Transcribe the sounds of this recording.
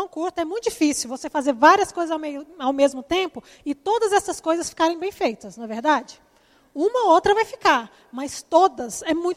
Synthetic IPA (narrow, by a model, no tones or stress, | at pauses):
ɐ̃w̃kuɾt̪ʊɛmũjt̪ʊd͡ʒifisiwvosefazeɾvaɾiɐskojzɐzawmejʊawmezmʊt̪ẽpʊ | ɪt̪od̪ɐzɛsɐskojzɐsfi̥kaɾẽj̃bẽj̃fejt̪ɐsnɐveɾd̪ad͡ʒɪ | ũmɐowt̪ɾɐvajfi̥kaɾ | mɐst̪od̪ɐsɛmũj̃